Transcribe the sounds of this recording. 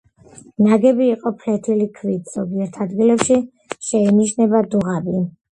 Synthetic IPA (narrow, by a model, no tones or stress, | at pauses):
naɡɛbiːqʼɔpʰlɛt̪ʰilikʰvit̪ʰz̥ɔɡiɛɾt̪ʰad̪ɡilɛpʃi | ʃɛiniʃnɛbad̪uʁabi